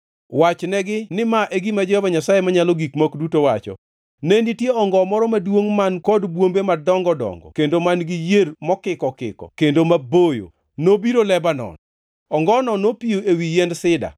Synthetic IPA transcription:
wat͡ʃnɛɡɪnɪmaʔeɡimad͡ʒɔhɔbaɲasajemaɲalɔɡikmokdutowat͡ʃɔ̰ | nɛnitjeɔŋɡɔmɔɾɔmadwoŋmankɔdbwombemadɔŋɡɔdɔ̰ŋɡɔ̰kendomanɡɪjermɔkɪkɔkɪ̰kɔ̰kendomabojo̰ | nobiɾolɛbanɔ̰n | ɔŋɡɔnɔnːopijoewijɛndsɪda̰

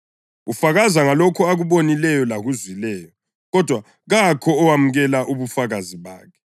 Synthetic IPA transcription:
ufaɣazaŋalɔkʰɔaɣuβonilɛjɔlaɣuzwilɛːjɔ | ɣɔd̥ʱwa | ɣakʰɔːwamuɣɛlaʔuβufaɣaziβa̰ːkʰɛ̥

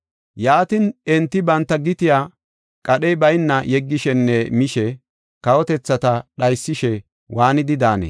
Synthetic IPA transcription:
jaːt̪ɪnɛnt̪ːɪbɐnt̪ːɐɡɪt̪ɪja | kʼɐɗɛjbɐjnːɐjɛɡːɪʃɛnːɛmɪʃɛ | kɐwɔt̪ɛt͡sːɐt̪ɐɗɐjsːɪʃɛ | waːnɪd̪ɪd̪aːnḛ

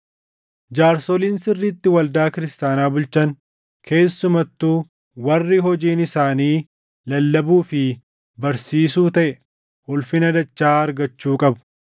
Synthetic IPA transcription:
d͡ʒaːɾsɔliːnsɪrːit̪ːɪwɐld̪aːkɪɾɪst̪aːnaːbʊlt͡ʃɐn | kʰe̞ːsːʊmɐt̪ːuː | wɐrːiɦɔd͡ʒiːnɪsaːniː | lɐlːɐbuːfɪ | bɐɾsiːsuːt̪ɐʔɛ | ʔʊlfɪnɐd̪ɐt͡ʃːaːɐɾɡɐt͡ʃːuːkʼɐbʊ̥

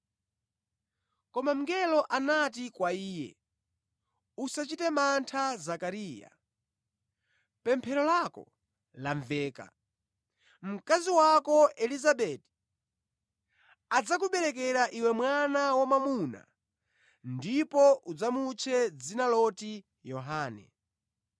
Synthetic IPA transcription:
kɔmam̩ŋɡɛlɔʔanatikwaiːjɛ̰ | usat͡ʃitɛmantʰazakaɾiːja̰ | pɛmpʰɛɾɔlakɔ̰ | laɱvɛːka̰ | m̩kaziwakɔʔɛlizaɓɛti̥ | ad͡zak̬uɓɛɾɛkɛɾaʔiwɛmwanawamamuna̰ | ndipɔʔud͡zamut͡ʃʰɛd͡zinalɔti | jɔɦaːnɛ̰

